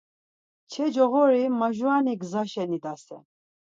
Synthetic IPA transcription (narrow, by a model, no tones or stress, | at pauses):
t͡ʃʰɛd͡ʒɔɣɔɾimaʒuaniɡzaʃɛnid̪asɛ̰n